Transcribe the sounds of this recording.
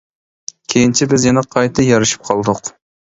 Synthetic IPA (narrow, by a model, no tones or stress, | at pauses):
kʲʰejint͡ʃʰibɪzjɛnɛqʰɑjt̪ʰɨjɑɾɨʃi̥p̚qʰɑlˠd̪ʊq